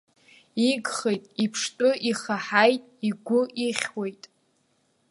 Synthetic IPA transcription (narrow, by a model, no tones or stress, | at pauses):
iɡχejtʼipʰʂtʼʊʔiχaħajtʼiɡʷʊʔiχʲwejtʼ